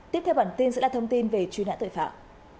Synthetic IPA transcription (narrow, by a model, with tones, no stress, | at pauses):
t̪i˦˥əp̚t̪ʰɛ˧wɓaː˧˩nt̪i˧nzɨ̰˧˥laː˧˨˩t̪ə˧wŋ͡mt̪i˧nve˨˩t͡ɕi˧na̰˧˥t̪o̰˧˨jfa̰ː˧˨m